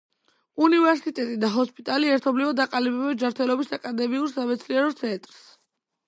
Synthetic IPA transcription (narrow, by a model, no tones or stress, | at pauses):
univɛɾsit̪ʼɛt̪ʼid̪aɦɔspʼit̪ʼaliɛɾt̪ʰɔblivɔd̪aqʼalibɛbɛd͡ʒaɾt̪ʰɛlɔbisakʼad̪ɛmiuɾsamɛt̪sʰliɛɾɔt̪sʰɛnt̪ʼɾs